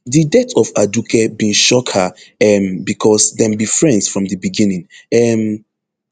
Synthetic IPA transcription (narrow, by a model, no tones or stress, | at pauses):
ðidɛtɔvadukɛbĩnʃɔkhaɛmbikʰɔsdɛ̃mbifɹɛ̃ndsfɹɔ̃mðəbiɡĩnĩŋɛm